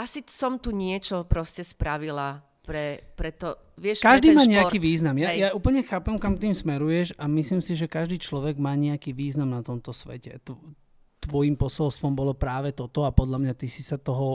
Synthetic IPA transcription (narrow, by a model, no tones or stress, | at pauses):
asisɔmt̪uɲɪɛt͡ʃɔpɾɔscɛspɾaʋila | ppɾɛpɾɛt̪ɔ | ʋɪɛʃkaʒd̪iːmaːɲɛakiːʋiːznamjajaʔuːpəl̩ɲɛxaːpɛmkamt̪iːmsmɛɾujɛʃamisliːmsiʒɛkaʒd̪iːt͡ʃlɔʋɛɡmaːɲɛakiːʋiːznamnat̪ɔmt̪ɔsʋɛ̰cɛ̰t̪ɔ | t̪ʋɔjimpɔsɔlst̪ʋɔmbɔlɔpɾaːʋɛt̪ɔt̪ɔapɔd̪ʎamɲat̪isi̥sat̪ɔɦɔ